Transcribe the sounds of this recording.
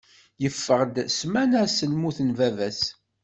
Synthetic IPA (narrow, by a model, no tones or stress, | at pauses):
jəfːəʁd̪smænæsəlmuθənvævæs